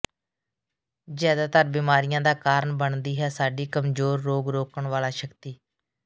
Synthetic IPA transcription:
d͡ʒaːd̪aːt̪əɾbiːmaːɾɪjãːd̪aːkaːɾəɳbəɳd̪iːɦɛːsaːɖiːkəmzoːɾːoːɡɾoːkəɳʋaːlaːʃəkt̪iː

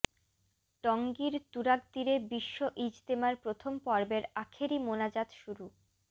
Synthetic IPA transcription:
ʈɔŋɡiɾt̪uɾaɡ̚d̪iɾebiʃːoʔid͡ʑt̪emaɾpɾot̪ʰompɔɾbeɾakʰeɾimonad͡ʑat̪ʃuɾu

